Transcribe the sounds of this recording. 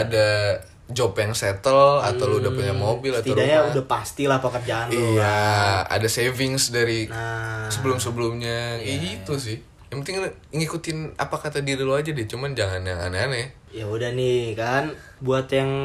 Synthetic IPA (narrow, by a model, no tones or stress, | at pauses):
ada | d͡ʒopjaŋsɛt̪əlat̪awludapuɲamobɪlat̪t̪iadaɲaudapast̪ilahpakərd͡ʒaːnliojaa̰dasevɪŋsdaɾinasəbəlʊmsəbəlʊmɲait̪us̬ɪh | jaŋpənt̪ɪŋ | ŋikut̪ɪna̰pakat̪adiɾiload͡ʒadit͡ʃumand͡ʒaŋanjaŋa̰naana | jaudahnɪkan | buat̪jaŋ